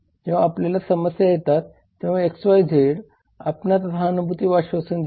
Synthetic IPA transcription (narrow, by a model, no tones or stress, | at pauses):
d͡ʑeʋ̤aːplalasəməsjajet̪at̪ː | ẽʋ̤aeksʋajd͡zʱeɽ | apnat̪ət̪ʰaːnubʱut̪iːʋaɕʋəsənd